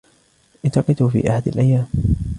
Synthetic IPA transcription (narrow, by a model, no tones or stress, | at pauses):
ʔɪnt̪ɑqɨt̪ufḭːʔaħad̪alʔajːaːm